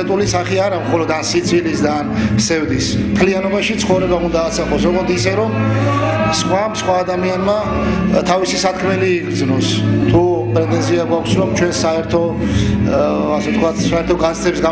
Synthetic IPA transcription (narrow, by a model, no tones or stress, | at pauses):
ɛt̪ʼulisaχiaɾamχɔlɔd̪ansit̪sʰʼilisd̪aːnsɛvd̪ismt̪ʰlianɔbaʃit̪sʰχɔvɾɛbaund̪aːt̪sʰaqʼɔsɾɔɡɔnt̪isɛɾɔm | sχwamsχwaːd̪amianma | t̪ʰavisisat̪̚kʰmɛliːɡɾd̪znɔst̪ʰupʼɾɛt̪ʼɛ̃nziaɡwakʷʰsɾɔmt͡ʃʰwɛnsaɛɾt̪ʰɔ | asɛt̪kʰwat̪ʰsaɛɾt̪ʰɔɡat̪st̪ʰɛbs̬ɡa